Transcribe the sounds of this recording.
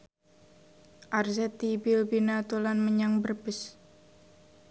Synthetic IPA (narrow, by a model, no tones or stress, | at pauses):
ʔarzɛt̪ibɪlbinat̪ulanməɲaŋbərbəs